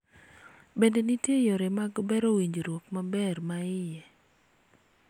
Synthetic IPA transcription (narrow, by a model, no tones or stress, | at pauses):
bendenitjejoɾemaɡbɛɾowiɲd͡ʒoɾwokmabɛrmaɪjɛ